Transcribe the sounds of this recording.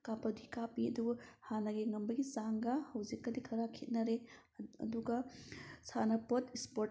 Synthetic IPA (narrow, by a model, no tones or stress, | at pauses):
kapɐdikapiɐ̰dubɐhanɐɡiŋɐmbɐɡisaŋɡɐhɐwzikːɐdikʰɐɾakʰit̚nɐɾḛ | duɡɐsanɐpotispo